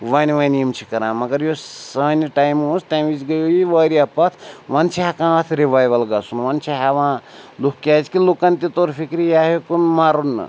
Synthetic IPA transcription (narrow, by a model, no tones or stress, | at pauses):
ʋanʋanijimt͡ʃʰikɐɾãːmɐɡɐɾjosɐniʈajmosʈajmit͡ʃɡɐjojiʋaɾiapɐt̪ʰʋant͡ʃʰiɦakãt̪ʰɾibajʋɐlɡɐsunʋant͡ʃʰiɦaʋãlukkʲat͡ʃkilukant̪it̪oɾpʰikɾijaɦekunmaɾun̰ː